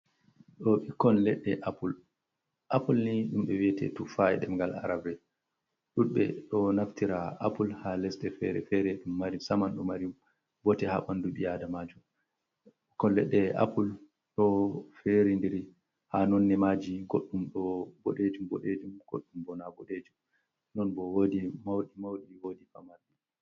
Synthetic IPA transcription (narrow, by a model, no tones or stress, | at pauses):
ɗɔɓikɔnlɛɗːɛʔapul | ʔapulniɗumɓɛwiɛtɛ̰tufajɛ̰ɗɛmɡala̰ɾabɾɛ | ɗuɓɛ̰ɗɔnaftiɾaa̰pulhalɛsɗɛfɛɾɛ̰fɛɾɛɗumːaɾisamanɗɔmaɾim | bɔtɛha̰ɓanduɓijadamad͡ʒu | kɔlːɛ̰ɗɛʔa̰pul | ɗɔfɛɾindiɾi | hanɔnːɛmad͡ʒiɡoɗːumɗɔbɔɗed͡ʒumbɔ̰ɗed͡ʒumɡ̥o̰ɗːumbɔnabɔɗed͡ʒum | nɔnbɔwodimawɗimawɗiwodifamaɾɗi